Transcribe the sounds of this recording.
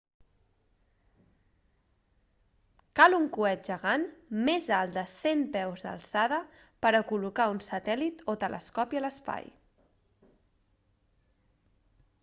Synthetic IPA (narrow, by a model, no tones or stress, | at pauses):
kaluŋkuɛt̪̚ʒəɣanmezalˠd̪əsempɛwzd̪ə̰lˠsað̞ə | pəɾəkulukaunsət̪ɛlit̪ot̪əlʔə̰skɔpiələspa̰j